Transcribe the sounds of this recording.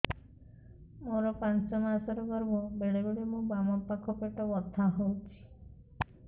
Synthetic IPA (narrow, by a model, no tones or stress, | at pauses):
moɾɔpansɔmasɔɾɔɡɔɾbɔbeɽebeɽemũbamɔpːakʰɔpeʈɔbɔt̪ʰːaɦowt͡ʃʰi̥